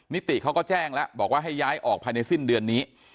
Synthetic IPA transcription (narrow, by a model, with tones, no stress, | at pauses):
ni˦˥t̪i˨˩ʔkʰa˦˥wkɔ˥˩t͡ɕɛː˥˩ŋlɛ˦˥ʔbɔː˨˩k̚waː˥˩ɦa˥˩jːaː˦˥jʔɔː˨˩k̚pʰa˧jna˧jsi˥˩ndɯ˧ənːiː˦˥